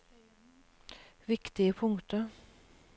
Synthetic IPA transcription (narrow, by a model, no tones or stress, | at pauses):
ʋɪkt̪ɪəpʰʊŋt̪ə